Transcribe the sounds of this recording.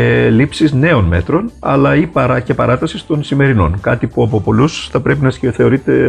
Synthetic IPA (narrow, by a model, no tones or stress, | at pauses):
lipsizne̞o̞nme̞̰t̪ɾo̞nɐ̰lɐipɐɾɐce̞pɐɾɐt̪ɐsist̪o̞nsime̞ɾino̞̰nkɐt̪ipuɐpo̞po̞lusθɐpɾe̞pinɐsçeθe̞oɾit̪e̞